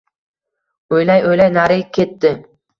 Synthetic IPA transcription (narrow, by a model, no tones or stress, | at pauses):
ojlajojlajnaɾɪkʲʰe̞t̪ːɪ